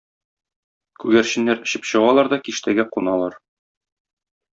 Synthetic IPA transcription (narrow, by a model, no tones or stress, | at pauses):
kʉɡæɾɕɘ̆nːæɾɘ̆ɕɘpɕɤ̆ʁɑlˠɑɾd̪ɒkiʃt̪æɡæqunɑlˠɑɾ